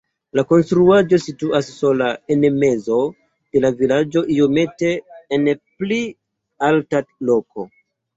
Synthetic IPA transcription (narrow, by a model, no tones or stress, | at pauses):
lako̞nstɾuad͡ʒo̞situasːo̞laenme̞zo̞ | d̪̥e̞lavilad͡ʒo̞ʔijo̞me̞te̞ːnpli | altalo̞ko̞